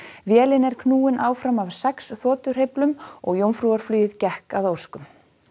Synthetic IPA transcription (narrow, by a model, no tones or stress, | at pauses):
vjɛːlɪnɛɾ̥kʰnuːɪnʔaːwfɾamavsɛksθɔːt̪ʏr̥ɦejplʏmɔ̰ɣjowmfɾuːaɾ̥flyːjɪðcɛhkaðowskʏm